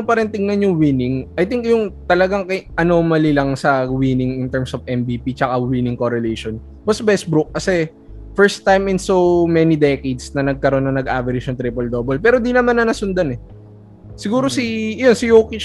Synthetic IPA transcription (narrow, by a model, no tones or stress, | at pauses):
ʊŋpɐɾɪnt̪ɪŋnɐnjʊŋwinɪŋʔɐjt̪ɪŋkjʊŋt̪ɐlɐɡaŋkɐjʔɐno̞ːmɐlilɐŋsɐwinɪŋɪnt̪ɛɹmsovʔɛmbiːpit͡ʃɐkawinɪŋkoɾɛlejʃon | bɐsbɛsbɾʊk̚ːɐsɛ | fɛɹst̪ːajmɪnsowmɛnid̪ɛkejd̪snɐnɐɡ̚kɐɾo̞nːɐŋnɐɡʔaːvɛɾɪd͡ʒjɐŋt̪ɾipɛld̪obɛlpɛːɾod̪inɐmanːɐnɐsʊnd̪anɛ | sɪɡuːɾo̞sijonsɪjoːkɪt͡ʃ